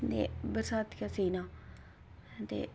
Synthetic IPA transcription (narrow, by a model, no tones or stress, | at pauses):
nd̪ḛbəɾsaːt̪kaseːna | nt̪ḛ